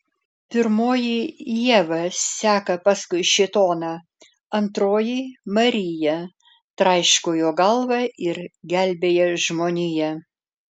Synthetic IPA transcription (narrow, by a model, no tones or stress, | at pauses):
pʲɪɾmoːjijiɛʋɐssʲæːkɐpɐskʊɪʃʲɪt̪oːnɑ | ɐnt̪ɾoːjiːmɐɾʲɪjɛ | t̪ɾɐɪʃkoːjoːɡɐlˠʋɐʔɪɾɡʲælʲbʲeːjɛʒmoːnʲijɛ